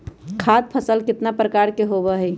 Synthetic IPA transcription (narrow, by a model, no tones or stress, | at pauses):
kʰad̪̚pʰəsəlkɪt̪napɾəkaɾkeɦoβəɦəj